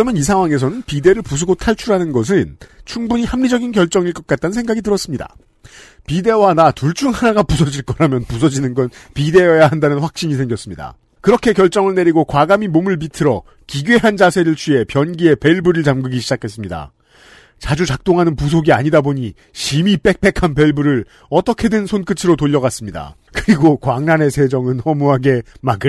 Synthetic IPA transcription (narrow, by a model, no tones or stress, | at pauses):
ʌmjʌnisʰaŋwaŋe̞s̬ʰʌnɯnpide̞ɾɯɭpus̬ʰoɡotʰaɭt͡ɕʰuɾɦanɯnɡʌs̬ʰɯnt͡ɕʰuŋbuɲihamːid͡ʑʌɡinkjʌɭt͡ɕ͈ʌŋiɭk͈ʌk͈̚at̚t͈annsʰe̞ŋɡaɡitɯɾʌs͈ɯmɲida̰ | pide̞wanatuɭt͡ɕ͈ʰuŋɦanaɡapusʰʌd͡ʑiɭk͈ʌɾamjʌnpusʰʌd͡ʑinɯnɡʌnpide̞jʌjaɦandanɯnɸwak̚ɕ͈iɲisʰe̞ŋɡjʌs͈ɯmɲida̰ | kɯɾʌkʰe̞kjʌɭt͡ɕ͈ʌŋɯɭne̞ɾiɡokwaɡamimomɯɭpitʰɯɾʌ | kiɡɥe̞ɦand͡ʑasʰe̞ɾɯɭt͡ɕʰɥie̞pjʌnɡie̞pe̞ɭbuɾɯɭt͡ɕamɡɯɡiɕʰid͡ʑakʰe̞s͈ɯmɲida̰ | t͡ɕad͡ʑut͡ɕak̚t͈oŋɦanɯnpus̬ʰoɡiaɲidaboɲi | ɕimip͈e̞k̚p͈e̞kʰanpe̞ɭbɯɾɯɾ | ʌt͈ʌkʰe̞dwensʰonk͈ɯt͡ɕʰɯɾotoʎːʌɡas͈ɯmɲida̰ | kɯɾiɡokwaŋnanesʰe̞d͡ʑʌŋɯnʌmuɦaɡe̞maɡɯ